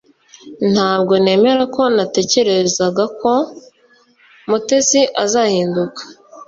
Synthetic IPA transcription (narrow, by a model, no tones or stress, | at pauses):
n̥haːbɡo̞ne̞ːme̞ɾako̞nate̞ce̞ɾe̞zaɡako̞ | mute̞siʔazaːhiːndukḁ